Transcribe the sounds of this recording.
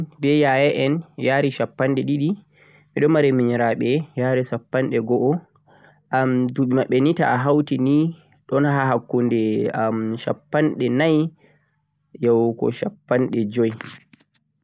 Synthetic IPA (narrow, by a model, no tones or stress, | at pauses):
bɛjajɛʔɛnjaːɾiʃapːanɗɛɗiɗi | miɗɔmaɾɛmiɲɾaɓɛjaɾisapːanɗɛɡɔʔɔ | ʔamduɓimaɓɛnita̰aɦawtini | ɗɔnɦaɦakːundɛamʃa̰pːanɗɛnaj | jɔwkɔ̰ʃapːanɗɛd͡ʒɔj